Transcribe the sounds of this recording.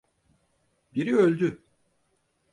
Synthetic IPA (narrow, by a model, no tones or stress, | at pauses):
biɾiølʲd̪y